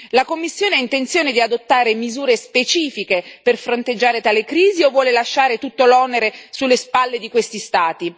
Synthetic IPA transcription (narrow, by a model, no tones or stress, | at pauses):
lakomːisːjoːneaint̪ent̪sjoːned̪iad̪ot̪ːaːɾemizuːɾespet͡ʃiːfikeperfɾont̪ed͡ʒːaːɾet̪aːlekɾiːziovːwɔːlelaʃːaːɾet̪ut̪ːolɔneɾesulːespalːed̪ikwest̪ist̪aːt̪i